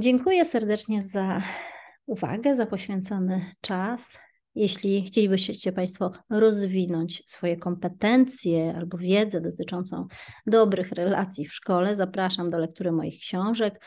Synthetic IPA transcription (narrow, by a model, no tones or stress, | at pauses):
d͡ʑɛŋkujɛsɛɾd̪ɛt͡ʂɲɛza | uva̰ɡɛzapɔɕfʲjɛnt̪sɔnɘt͡ʂas | jeɕlʲixt͡ɕelʲibɘɕt͡ɕɛpaj̃st̪fɔɾɔzvʲinɔɲt͡ɕsfɔjɛkɔmpɛt̪ɛnt̪sʲjɛa̰lbɔvʲjɛd̪zɛd̪ɔt̪ɘt͡ʂɔnt̪sɔ̰̃w̃d̪ɔbɾɘxɾɛla̰t̪sʲjifʂkɔlɛzapɾaʂamd̪ɔlɛk̚t̪uɾɘmɔ̰jixkɕɔ̃w̃ʐɛk